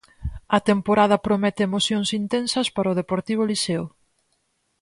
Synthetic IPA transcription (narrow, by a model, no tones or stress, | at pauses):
ɐt̪empoɾaðɐpɾomɛt̪ɪemoθjoŋsint̪ɛ̃nsɐspaɾɐoð̞epoɾt̪iβ̞ʊliseo